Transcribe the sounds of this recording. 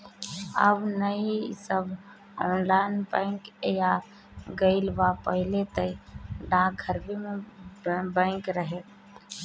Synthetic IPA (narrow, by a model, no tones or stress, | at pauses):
ə̰bnəisəb | ɔnlaɪnbə̃ɪŋkja | ɡəɪlbapəɦilet̪əiɖãɡʱəɾbime | bə̃ɪŋkɾəɦet̪